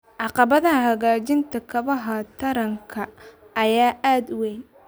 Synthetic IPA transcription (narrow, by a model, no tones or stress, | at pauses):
ʕɑqɑβɐðɐhɐɣaːt͡ʃɪnt̪ʰɐkʰɐβɐɦɐt̪ʰɐɾɐŋkʰɐː | jaːʔaːd̪wɛjn